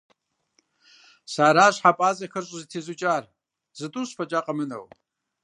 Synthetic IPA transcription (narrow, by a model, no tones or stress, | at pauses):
saːɾaːɕħapʼaːzɐxɐrɕʼzɨtʰezut͡ʃʼaːr | z̥ɨtʼuɕfɐt͡ʃʼaːqʼɐmɨnɐ̰w